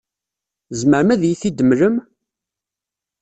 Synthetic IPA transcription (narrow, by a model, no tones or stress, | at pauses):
zməʕəmæðjiθid̪əmɾəm